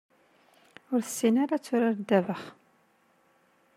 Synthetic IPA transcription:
ʊɾθə̥sːinaɾat͡sːʊɾaɾd̪ːævəχ

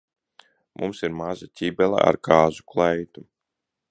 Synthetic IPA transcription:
mʔumsiɾmazat̪ʲibɛlˠa̰ʔa̰ɾkaːzuklˠajt̪u

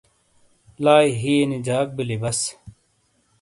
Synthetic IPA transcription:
laːiɦiːnid͡ʑaːk̚bilibɐs

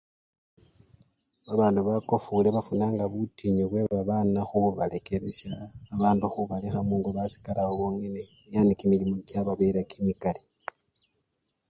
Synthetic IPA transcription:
βaβaːnduβako̞fuleβafunaːŋɡaβutiɲoβwe̞βaβanaxuuβaleke̞βesjaːβaːnduxuβalixamuːŋɡoβasi̥kalaoβoːŋene | jaːndikimilimo̞ɟaβaβeɾakʰimikali

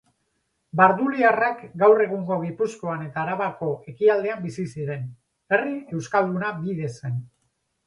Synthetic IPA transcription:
baɾðuliarakɡawre̞ɣ̞uŋɡo̞ɣ̞ipusko̞ane̞t̪aːɾaβako̞ʔe̞kiald̪e̞ambisisiɾe̞n | e̞rie̞wskald̪unabiðe̞se̞n

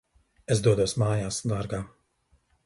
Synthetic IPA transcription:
ezd̪uɔd̪uɔsmaːjaːsd̪aːɾɡaː

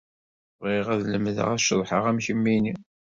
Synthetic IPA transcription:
ʁiʁæðləmðə̰ʁæʃəðˤħəʁæmçəmːini

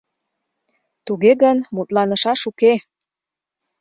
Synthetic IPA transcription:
t̪uɣeɣənmut̪lɑnə̆ʃɑʃuke

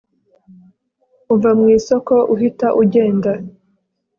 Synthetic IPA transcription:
uvamŋiːsoko̞ʔuɦitaʔuɟe̞ːnda

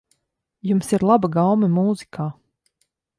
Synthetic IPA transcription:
jumsiɾlˠabaɡawmɨmuːzikʰaː

